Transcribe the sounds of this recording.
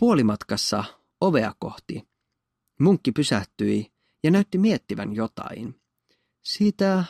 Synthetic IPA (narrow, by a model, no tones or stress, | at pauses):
puolimɑt̪kɑsːɑ̰ | o̞ʋe̞ɑ̰ko̞̰ht̪i | muŋkːipysæht̪yj | jɑnæyt̪ːimie̞t̪ːiʋæ̰njo̞t̪ɑ̰in | siːt̪æ